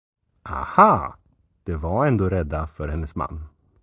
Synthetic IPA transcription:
ʔa̰ha | d̪̥ɛvaɾɛnd̪oːɾɛd̪ːafœɾhɛnːəsma̰nː

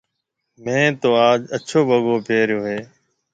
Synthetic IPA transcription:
mɛ̃ːt̪oːaːd͡ʒət͡ʃʰoːbəɠoːpeːɾjoːɦeː

